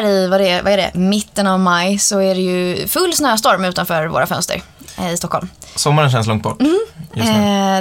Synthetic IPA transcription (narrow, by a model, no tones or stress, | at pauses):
ɾɪvad̪ɛva̰æɖɛ̰mɪt̪ːənavmajsɔæɖɛjɵfɵlːsnøːast̪ɔɾmʉ̟ːt̪anfœːɾvo̰ːɾʔafœ̰nst̪ə̰ɾ | ɪst̪ɔkʰːɔ̰lmsɔmːaɾənɕɛnslɔŋt̪̚bɔ̰ʈ̪ː